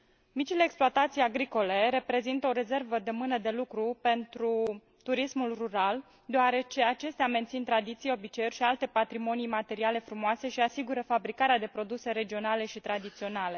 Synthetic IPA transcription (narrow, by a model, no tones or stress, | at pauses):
mit͡ʃile̞ːksploat̪at̪sijaɡɾiko̞le̞ɾe̞pɾe̞zint̪əo̞ɾe̞ze̞rvəd̪emɨnəd̪e̞lukɾupe̞nt̪ɾu | t̪uɾismulruɾal | d̪oaɾe̞t͡ʃe̞at͡ʃe̞st̪eament̪sint̪ɾad̪it̪sijeo̞bit͡ʃeurʲʃialt̪e̞pat̪ɾimo̞nijmat̪e̞ɾiale̞fɾumoase̞ʃiasiɡuɾəfabɾikaɾead̪e̞pɾo̞d̪use̞ɾe̞d͡ʒio̞nale̞ʃit̪ɾad̪it̪sio̞nale̞